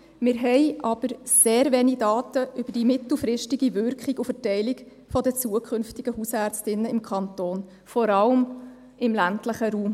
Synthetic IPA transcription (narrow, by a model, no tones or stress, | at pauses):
mɪɾɦɛɪʔɑb̥əɾseːɾvɛːnidɑːtəʔʏb̥əd̥imɪtl̩fɾɪʃtɪɡivʏɾkχiɡʊfətɛɪlɪk | fɔdət͡suəkʰχʏnftɪɡəhusæɾt͡stɪnːəɪmkʰɑntoːn | fɔɾɑləm | ɪmlæntləχəɾuːm